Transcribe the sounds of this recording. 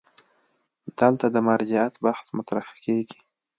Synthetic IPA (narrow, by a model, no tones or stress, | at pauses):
d̪̥əlt̪ad̪əmɑɾd͡ʒɪat̪bahsmʊt̪ɾahkeɡi̥